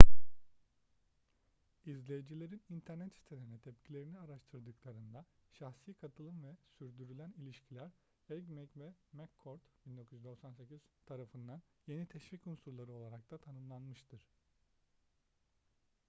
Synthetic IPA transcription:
izlʲejed͡ʒilʲe̞ɾinint̪ʰæɾnɛt̪si̥t̪ʰeleinɛt̪ʰɛpcʰilʲe̞ɾiniaɾaʃt̪ʰɯɾd̪ɯklˠaɾɯnd̪aʃaxsijkʰat̪ʰɯlˠɯnvɛsyɾd̪yɾylʲænilʲiʃcʰilʲæɾ | ɛɟmɛcvɛmɛkʰːoɾt̪b̥ind̪o̞kʰuyjyd̪o̞ksanse̞cʰiz̥t̪ʰaɾafɯnd̪anje̞nit̪ʰɛʃvicunsuɾlˠaɾɯo̞lˠaɾak̚t̪ʰat̪ʰanɯmlˠanmɯʃt̪ʰɯɾ̥

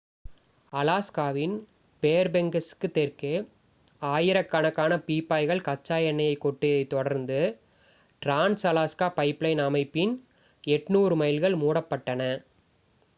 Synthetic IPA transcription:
ɐlaːskaːʋɪn | peːɾbɛŋɡɐskːɯt̪ːɛɾkɯ | aːjɪɾɐkːɐnɐkːaːnɐpiːpːaːɪɣɐɭkɐt͡ʃːaːjɐɳːɐjɐɪkːɔʈːɯɐɪt̪ːɔɽɐɾnd̪ɯ | ʈɾaːnsɐlaːskaːpɐɪplɐɪnɐmɐɪpːɪn | ɛʈnuːɾɯmɐɪlɣɐɭmuːɽɐpːɐʈːɐnɐ

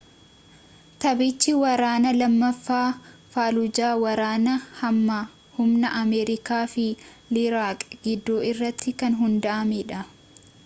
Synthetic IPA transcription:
t̪ɐbɪt͡ʃːɪwɐɾaːnɐlɐmːɐfːaːfaːlʊd͡ʒaːwɐɾaːnɐhɐmːaː | hʊmnɐʔɐmɛːɾɪkaːfɪ | lɪɾaːkʼɡɪd̪ːoːɪrːɐt̪ːɪkɐnɦʊnd̪ɐʔɐmɛᶑɐ

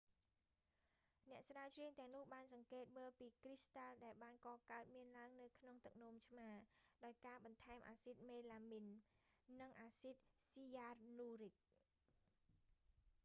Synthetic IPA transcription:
nɛ̆əʔsraət͡ɕʰriəŋt̪ɛ̆əŋnʊ̆əhɓaːnsɑŋkeːt̪̚məːlpiːkrist̪alɗaɛlɓaːnkɑːkaət̪̚miənlaəŋnɨwkʰnoŋt̪ɨk̚noːmt͡ɕʰmaːɗaɔjkaːɓɑnt̪ʰaɛmʔaːsit̪̚meːlaːminː | ɨŋʔaːsit̪̚siaːrnuːric̚

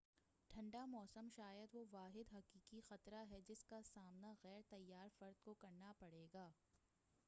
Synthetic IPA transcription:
ʈʰɐ̃ɳɖamɔːsəmʃaːjəd̪ʋoʋaːɦɪd̪ɦɐkiːkixɐt̪ɾaɦɛd͡ʒɪskasaːmnaɣɛːɾt̪ɐjːaːɾfɐɾd̪kokɐɾnapɐɽeːɡaː

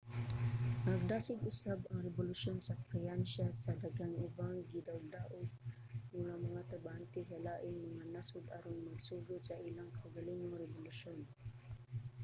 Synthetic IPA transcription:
nɐɡ̚d̪aːsʊɡʊsabɐŋɾɛbʊlʊʃonsɐkɾɛɛnʃasɐd̪aɡaŋɪbaŋɡɪd̪awd̪aʔʊɡ̚ | mʊŋamɐŋat̪abaant̪ɪkalaːʔɪmaŋanasʊd̪a̰ɾʊnmɐɡsuːɡʊt̪saʔɪlaŋkʰɐwɡɐlɪnʊŋɾɛbʊlʊʃon

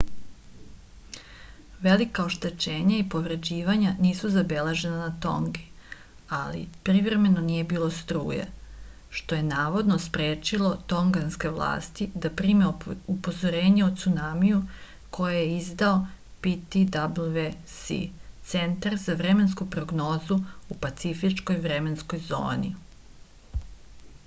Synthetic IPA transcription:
ʋe̞likaoʃt̪e̞t͡ʃe̞ːɲaipo̞ʋɾe̞d͡ʑiːʋaɲaniːsuzabe̞leʒe̞nanat̪o̞̰ŋɡi | alḭpɾivɾe̞me̞noniːje̞biːlˠo̞st̪ɾṵːjḛ | ʃt̪o̞jenaːʋo̞d̪nospɾeːt͡ʃilˠo̞t̪o̞ŋɡanske̞ʋlˠa̰ːst̪id̪apɾiːmeupo̞zo̞ɾe̞ːɲeot̪sunamiju | kʰo̞jajeizd̪ao | pit̪id̪abluʋe | sḭtt̪se̞nt̪aɾzaʋɾeme̞nskupɾo̞ɡno̞ːzuupat̪sifit͡ʃko̞jʋɾe̞me̞nsko̞jzo̰ːnḭ

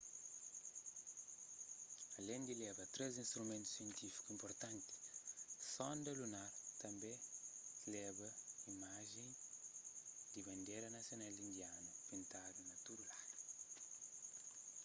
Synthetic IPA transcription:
ɐlẽnd̪ilɛbɐt̪ɾezĩnst̪ɾumẽnt̪u̥sijẽnt̪ifi̥kuĩmpoɾt̪ãnt̪i̥sɔ̃nd̪ɐlunaɾt̪ɐ̃mbẽlɛbɐimaʒẽ | d̪ibɐ̃nd̪eɾɐnɐsjonalĩnd̪ianɐpĩnt̪ad̪unɐt̪udulad̪u

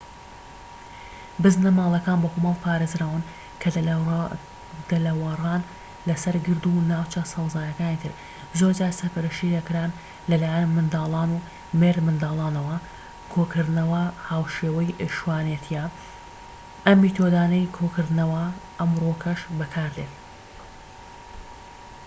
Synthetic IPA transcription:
bɨznɐmaːlˠɐkaːnbɐkoːmɐlˠpʰaːɾezɾaːwɨn | kʰɐ | d̪̥ɐlɐwɐrɑːn | lɐsɐɾɡɨɾd̪unaːwt͡ʃʰɐsɐwzaːjɐkaːniːt̪ʰɨɾ | zoɾd͡ʒaːɾsɐɾpɐɾɐʃidɐkɾaːn | lɐlaːjɐnmɨnd̪aːlˠaːnu | meɾmɨnd̪aːlˠaːnɐwɐ | kʰokʰɨɾd̪nɐwɐhaːwʃeːwɐjʔʃwaːnet̪ʰijɛ | ʔɐmːiːt̪ʰod̪aːnɐjkʰokɨɾd̪ɨnɐwɐʔɐmrokʰɐʃbɐkʰaːɾd̪et̪̚

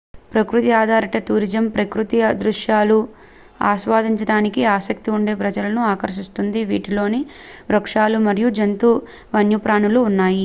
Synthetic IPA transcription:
pɾɐkɾut̪iaːd̪ʱaːɾɐʈɐt̪uːɾid͡ʒɐmpɾɐkɾut̪ijɐd̪ɾuʂjaːlu | a̰ːʃʋaːd̪ʱiɲt͡ʃɐɽaːnikiaːsɐk̚t̪iuɳɖe̞ːpɾɐd͡ʒɐlɐnuaːkɐɾʃist̪und̪iʋiːʈilo̞ːni | ɾɐkʂaːlumɐɾijud͡ʒɐnt̪u | ʋɐnjupɾaːɳuluːnːaːji

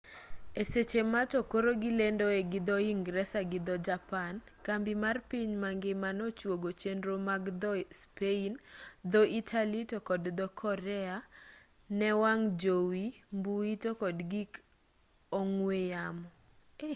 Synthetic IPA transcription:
eset͡ʃematɔkoɾoɡilendoeɡɪd̪ɔiŋɡɾɛsaɡɪd̪ɔd͡ʒapan | kambimarpiɲmaŋɡemanɔt͡ʃwoɡot͡ʃendɾomaɡd̪ɔspeind̪ɔʔitʰalitɔkɔdd̪ɔkʰɔɾɛa | nɛwaŋd͡ʒowimbuitokɔdɡik | oŋwejamɔ

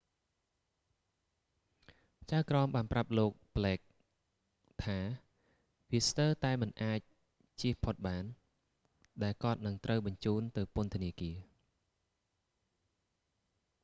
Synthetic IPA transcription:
t͡ɕaəkrɑːmɓaːnprap̚loːk̚plɛːk̚ | t̪ʰaː | ʋiəst̪əːt̪aɛmɨnʔaːc̚ | t͡ɕiəhpʰot̪̚ɓaːn | ɗaɛlkŏət̪̚nɨŋt̪rəwɓɑɲt͡ɕuːnt̪ɨwpʊ̆ənt̪ʰəniəkiə

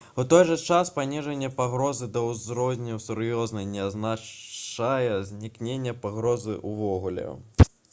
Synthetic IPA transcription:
ut̪ɔjʐɐt͡ʂaspanʲiʐɐnʲːɛpaɣɾɔzɨd̪ɐwzɾɔzʲnʲɐwsuɾjɔznɐjnʲɛazna | ajɛzʲnʲiknʲenʲːɛpaɣɾɔzɨ̰ʔuvɔɣulʲɛ̰

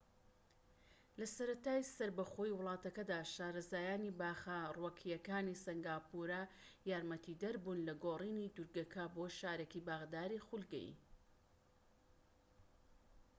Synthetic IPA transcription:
lɐsɐɾɐt̪aːjsɐɾbɐχojiwʊlˠɑːt̪ɐkɐd̪aːʃaːɾɐzaːjaːnibaːxarwɐkʰijɐkaːnisɐŋɡaːpuɾajaːɾmɐt̪ʰid̪ɐɾbuːnlɐɡoːriːnid̪uɾɡɐkʰɐboːʃaːɾekibaɣd̪aːɾixulɡɛ̰j̰

